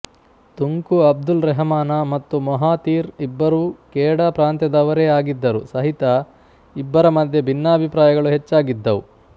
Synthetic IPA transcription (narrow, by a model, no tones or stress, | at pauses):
t̪uŋkuɐb̚d̪ulɾɛɦɐmaːnɐmɐt̪ːumɐɦaːt̪iːɾibːɐɾuːkɛːɽɐpɾaːnt̪jɐd̪ɐʋɐɾeaːɡid̪ːɐɾusɐɦit̪ɐ | ibːɐɾɐmɐd̪ʱjebʱinːɐɐbʱipɾaːjɐɡɐɭuɦet͡ʃːaːɡid̪ːɐʋu